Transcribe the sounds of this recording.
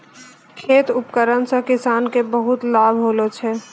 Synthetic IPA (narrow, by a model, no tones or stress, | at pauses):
kʰeːt̪ʊpkəɾənsə̃kɪsaːnkebəɦʊt̪laːbʱɦoːlot͡ʃʰɛː